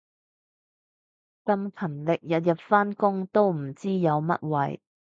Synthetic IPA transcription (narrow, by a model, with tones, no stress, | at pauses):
kɐ˧mkʰɐ˨˩nlɪ˨k̚jɐ˨t̚jɐ˨p̚faː˥nkʊ˥ŋt̪o˥wm̩˨˩t͡siː˥jɐ˨˧wmɐ̰˥t̚wɐ̰˨j